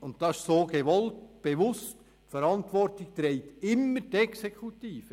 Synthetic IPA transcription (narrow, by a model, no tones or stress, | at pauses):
ʊnttɑʃsoːɡ̥eʋɔltb̥eʋʊst | fəɾɑntʋɔrtɪk̚tɾeɪtɪmːəɾtɛksekʰutiːfə